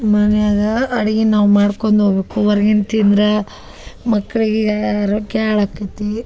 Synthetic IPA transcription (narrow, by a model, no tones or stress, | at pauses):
mɐnejaːd̪ɐɐɽiɡenaːʋumaːɽkond̪oːbekuʋɐɾɐɡint̪ind̪ɾe | mɐkːɐɭiɡeaɾokaːɭakːɐt̪ːi